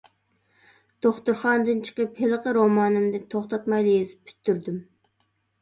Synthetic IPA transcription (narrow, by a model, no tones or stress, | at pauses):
d̪̥oχt̪uɾχɑnd̪ɨnt͡ʃʰə̥qəphelˠəqəɾomɑːnɨmd̪ɨt̪ʰoχt̪ɑt̪mɑjlˠijizɨpːʰy̥t̪ːyɾd̪ym